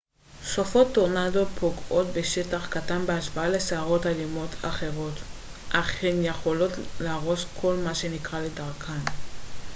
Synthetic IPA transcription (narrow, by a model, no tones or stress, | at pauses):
sofo̞tːoʁnado̞pʰoɡo̞tbe̞ʃetaχkatanbeaʃvaale̞seaʁo̞talimo̞tʰa̰χe̞ʁo̞t | ʔaχenje̞χo̞lo̞tlaaʁo̞skʰo̞lmaʃe̞nikʁale̞daʁkʰan